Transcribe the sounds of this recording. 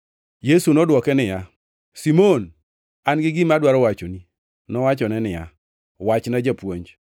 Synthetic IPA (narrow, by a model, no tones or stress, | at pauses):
jesunɔdwɔkɛnɪja | simon | anɡɪɡɪmadwaɾɔwat͡ʃoni | nɔwat͡ʃɔnɛnɪja̰ | wat͡ʃnad͡ʒapwoɲd͡ʒ